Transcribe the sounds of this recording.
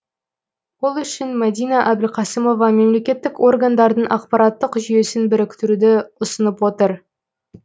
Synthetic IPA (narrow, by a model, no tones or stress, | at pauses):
wo̞lˠʏʃɪnmæd̪ijnɑʔæbɪlqʰɑsəmo̞vɑme̞mle̞kʲe̞t̪ːɪko̞rɡand̪ɑɾd̪əɴʔɑq̚pɑɾɑt̪ːəqʒʏje̞sɪnbɪɾɪkʲt̪ɪɾud̪ɪʊsənəpwo̞t̪əɾ